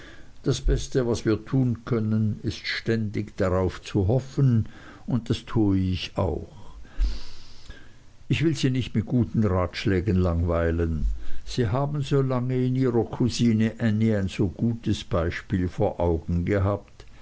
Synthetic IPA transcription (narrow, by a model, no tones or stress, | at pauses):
d̥asb̥ɛstəvasv̥iːɐtʰuːnkʰœnənɪstʃtɛndɪçd̥aʁaʊft͡suɦɔfən | ʊnt̚d̥astʰuːəɪça̰ʊx | ʔɪçv̥ɪlziːnɪçtmɪt̚ɡ̥uːtn̩ʁaːtʃlɛːɡən̩laŋvaɪlənz̥iːɦaːbn̩zoːlaŋəɪniːʁɐkʰuziːnəʔɛniaɪnz̥oːɡ̥uːtəsb̥aɪʃpiːlfoːɐʔaʊɡŋ̩ɡəɦaːp̚t